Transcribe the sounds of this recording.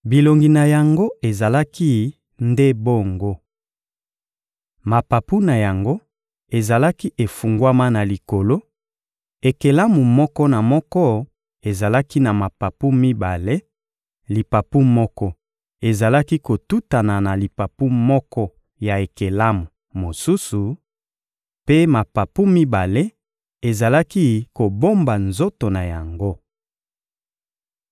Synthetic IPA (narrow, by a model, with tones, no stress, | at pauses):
bi˨lo˨ŋɡi˨na˨ja˨ŋɡo˦e˨za˨la˦ki˦ | nde˦bo˦ŋɡo˦ | ma˨pa˨pu˦na˨ja˨ŋɡo˦ | e˨za˨la˦ki˦ʔe˨fu˨ŋɡwa˦ma˦na˨li˨ko˨lo˦ | e˨ke˨la˦mu˨mɔ˦kɔ˦na˨mɔ˦kɔ˦ | e˨za˨la˦ki˦na˨ma˨pa˨pu˦mi˦ba˨le˦ | li˨pa˨pu˦mɔ˦kɔ˦ | e˨za˨la˦ki˦ko˨tu˦ta˨na˨na˨li˨pa˨pu˦mɔ˦kɔ˦ | ja˨e˨ke˨la˦mu˨ | mo˨su˦su˨ | pe˦ma˨pa˨pu˦mi˦ba˨le˦ | e˨za˨la˦ki˦ko˨bo˦mba˨nzo˦to˨na˨ja˨ŋɡo˦